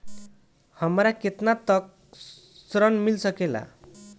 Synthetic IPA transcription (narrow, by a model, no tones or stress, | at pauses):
hʌmɾaket̪nat̪ʌk̚ | sɾʌnmilsʌkela̰